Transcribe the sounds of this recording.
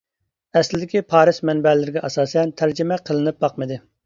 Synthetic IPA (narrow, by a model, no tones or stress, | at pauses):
ɛslɪd̪ɪkʲipʰɑːɾɪsmɛnbɛlɪɾɪɡʲɛʔɑsɑːsɛnt̪ʰæɾd͡ʒɪmɛqʰəlˠɨnɨp̚bɑqmɨd̪ɨ